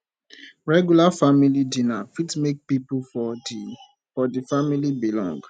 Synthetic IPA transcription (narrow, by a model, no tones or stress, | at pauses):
ɹɛɡjulafamilidĩnafitmek̚pipufɔdi | fɔdifamilibilɔ̰̃ŋɡ